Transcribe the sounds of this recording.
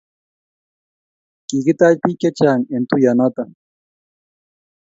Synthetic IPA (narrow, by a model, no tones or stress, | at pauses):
kikit̪aʎpiket͡ʃaŋent̪ujanat̪a